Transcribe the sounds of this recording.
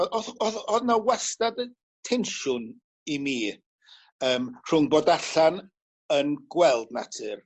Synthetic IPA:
ɔɔðɔnawɛstadə | tʰɛnʃʊn | imiː | əːmr̥ʊŋboːdaɬan | ənɡwɛlˠdna̰tʰɨr

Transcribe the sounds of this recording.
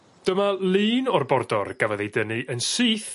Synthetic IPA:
d̥əmalˠɨːnɔrbɔrdɔrɡ̥avɛðejdənɨʔənsɨːθ

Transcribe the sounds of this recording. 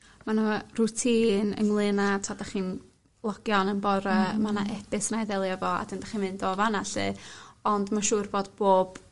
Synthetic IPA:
manurʊtʰiːnə̰ŋlˠɨnatʰadaχiːn | lˠɔɡ̥jɔnənbɔɾəmanaʔɛbɪsnajðɛlˠjavɔa̰dɪndaχinmɨndoːvanaɬɨ̰ɔndmaʃuːrboːdboːb̥

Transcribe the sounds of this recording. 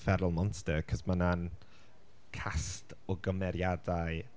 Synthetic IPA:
fɛɾʊlˠmɔnttəkʰəsmanan | kʰast | ɔɡəmɛɾjadaj

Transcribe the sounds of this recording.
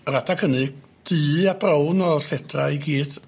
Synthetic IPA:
ratʰakʰənɨɡ̚ | d̥ɨːab̥rawnɔɬɛdraiɡiːd̥

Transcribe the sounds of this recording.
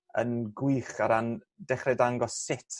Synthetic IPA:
ə̰nɡwɨχaɾan | dɛχrɛdaŋɡɔsɪtʰ

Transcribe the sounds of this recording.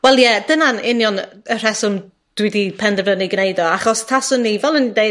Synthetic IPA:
wɛlˠjɛd̥ənanɪnjɔnər̥ɛsʊn | d̥wɪdipʰɛndɛvəniɡnejdɔaχɔstʰasʊnːivɛlˠənidej

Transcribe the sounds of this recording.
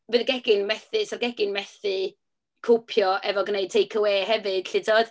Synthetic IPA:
vɨðɡɛɡɪnmɛθɨsɔrɡɛɡɪnmɛθɨ | kʰopʰjɔʔɛvɔɡnejd̚tʰejkʰəweːɦɛvɨd̥ɬɪdoɔd̥

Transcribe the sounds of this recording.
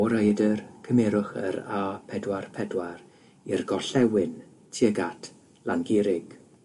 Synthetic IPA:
ɔɾəjdərkʰəmɛɾʊχə̰ɾapʰɛdwarpʰɛdwaɾ | irɡɔɬɛwɪn | tʰiəɡatʰ | lanɡɪɾɪɡ̥

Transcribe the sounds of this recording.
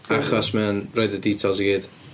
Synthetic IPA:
aχɔsmɛwnroɨdədiːtʰɔlˠs̬iɡiːd̥

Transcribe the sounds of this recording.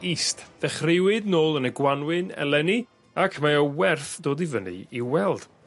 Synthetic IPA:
istðɛχrɪwɨdnoːlˠənəɡwanwɪnɛ̰lˠɛni | akʰmaɔwɛrθd̥oːdivənḭiwɛlˠd̥

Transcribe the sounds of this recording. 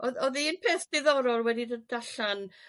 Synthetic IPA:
ɔðɔðinpʰeːθd̥ɪðɔɾɔlwɛdidədaɬan

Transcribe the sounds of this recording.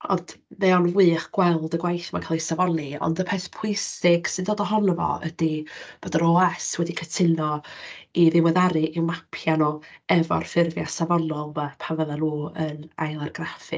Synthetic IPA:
ɔ̰nd̥ðeɔnvwɨːχɡ̥wɛlˠdəɡwajθmakʰalˠisavɔnɨɔ̰ndəpʰɛθpʰʊjsɪɡ̥sɨndoːdɔɦɔnəvɔ̰ə̰dib̥odəɾɔɛswɛdikʰətʰɪnɔiðɪwəðaɾɨʔiwmapʰjanɔɛvɔ̰rfɪrvjasavɔnɔlˠmapʰavəðaloːənajlˠarɡrafɨ̰

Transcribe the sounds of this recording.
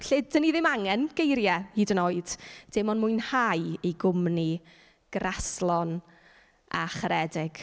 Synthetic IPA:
ɬɪdəniðɪmaŋɛnɡ̥ejɾjɛhiːdənoːɨd̥d̥ɪmɔnmʊjnhajejɡʊmni | ɡ̥raslˠɔn | ʔa̰χəɾɛdɪɡ̥

